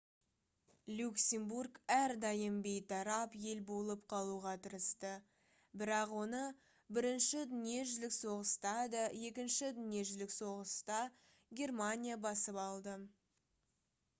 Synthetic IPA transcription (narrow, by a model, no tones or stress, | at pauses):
lʲuksʲemburɡæɾd̪ɑjəmbejt̪ʰɑɾɑpje̞lbo̞lˠəpqʰɑlˠuʁɑt̪ʰəɾəst̪ə | bɪɾɑqwo̞nə | bɪɾɪnʃɪd̪ʏnije̞ʒʏzlɪkso̞ʁəst̪ɑd̪əje̞kʲɪnʃɪd̪ʏnije̞ʒlɪkso̞ʁəst̪ɑ | ɡʲe̞rmanʲijabɑsəpɑlˠd̪ə